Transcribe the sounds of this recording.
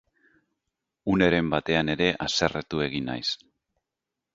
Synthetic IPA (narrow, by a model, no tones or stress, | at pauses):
une̞ɾe̞mbat̪e̞ane̞ɾe̞ʔase̞ret̪ue̞ɣina̰js